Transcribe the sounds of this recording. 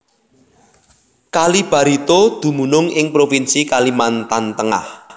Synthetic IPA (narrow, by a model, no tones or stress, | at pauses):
kalib̥a̤ɾit̪od̪̥ṳmunʊŋɪŋpɾofinsikalimant̪ant̪əŋa̰h